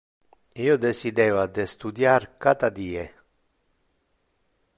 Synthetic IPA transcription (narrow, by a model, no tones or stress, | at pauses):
iːod̪esid̪ɛːvad̪est̪ud̪jaɾkat̪ad̪iːe